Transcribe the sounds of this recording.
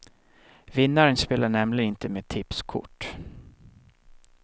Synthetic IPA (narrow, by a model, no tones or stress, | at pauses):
vɪnːaɾənspeːlaɳɛmlɪɡənɪnt̪əmeːt̪ʰɪpskʰʊ̰ʈː